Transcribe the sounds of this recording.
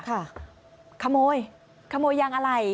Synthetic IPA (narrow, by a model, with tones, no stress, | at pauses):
kʰa˧˥˩ | kʰa˧moː˧j | kʰa˧moː˧jːaː˧ŋʔa˧ɾa˧˩j